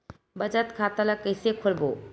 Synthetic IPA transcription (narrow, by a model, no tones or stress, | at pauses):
bəd͡ʑat̪kʰat̪alakesekʰoɾbo